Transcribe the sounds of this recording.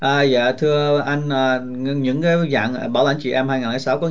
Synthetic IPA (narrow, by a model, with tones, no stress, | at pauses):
ʔaː˨˩ja̰ː˧˨t̪ʰɨ˧əʔa˧jŋ̟ʔəː˨˩˧ | ɲɨ̰˧˥ŋkaː˨˦jza̰ː˧˨ŋ˨ɓaː˧˩wla̰˧˩˦ŋ̟t͡ɕḭ˧˨ʔɛ˧mhaː˧jŋaː˨˩laː˨˩˦sa˨˦wkɔ˨˦